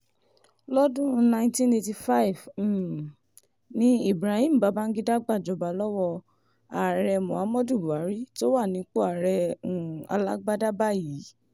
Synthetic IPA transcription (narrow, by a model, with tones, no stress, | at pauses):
lɔ˦dũ˦nã˧j̃tĩ˦ne˧ti˧fa˦i˨v | nĩ˦i˦˨bɾa˨˦hĩ˦˨m̩˨ba˨˦ba˦n̩˦ɡi˦da˦ɡ͡ba˦˨d͡ʒɔ˨˧ba˨˦lɔ˦wɔ˦˧ | a˨ɾɛ˧mɔ̃˨a˨˦mɔ̃˦du˦˨bu˨a˨˦ɾi˦to˦wa˦˨nĩ˨˦k͡po˦a˨ɾɛ˧ũ˨a̰˧la˦ɡ͡ba˦da˦ba˦˨ji˨˦